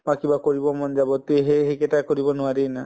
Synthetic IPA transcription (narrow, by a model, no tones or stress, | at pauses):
mãkibakoɹibɔmɔnd͡ʒabɔt̪eɦeɦekɛtakoɹibɔnʊaɾijna